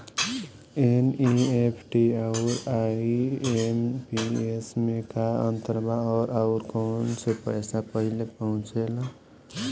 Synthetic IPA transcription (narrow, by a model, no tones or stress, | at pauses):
eniepʰʈiaʊɾa | empiesmekaə̰nt̪əɾbaɔːɾaʊɾkoːnsepəjsapəɦilepəɦʊ̃t͡ʃel